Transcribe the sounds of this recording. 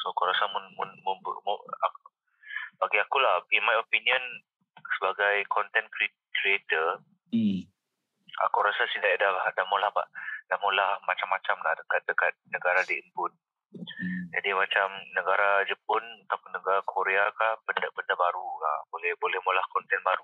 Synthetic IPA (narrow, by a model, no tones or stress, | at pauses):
soakuɾasamunmunməmb̰ma̰k | b̥aɡiakulahinmajopiniə̃n | səbaɡajkɔnt̪ɛnkɾi | kɾiet̪ər | a̰kuɾasasindaʔdalahdahmolahba̰ʔd̥ahmolahmat͡ʃamːat͡ʃamlahdəkat̪̚dəkat̪̚nəɡaɾadiənpʊn̚ | d͡ʒadimat͡ʃamnəɡaɾad͡ʒəp̚ʊnat̪apʊnːəɡaɾakʰoɾeakahbəndabəndabaɾuka̰bolɛhbolɛhmolahkɔnt̪ɛnbaɾu